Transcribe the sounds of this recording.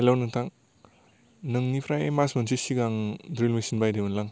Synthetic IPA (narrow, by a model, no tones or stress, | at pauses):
elawnɯŋtʰaŋ | nɯŋnipʰɾajemasmɯnsisiɡaŋdɾilmisinbajdemɯnlaŋ